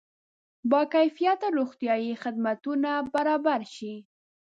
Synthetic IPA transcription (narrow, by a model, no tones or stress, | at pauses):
bɑkajfijat̪aɾoxt̪ijɑjixɪd̪̚mat̪unabaɾɑbaɾʃi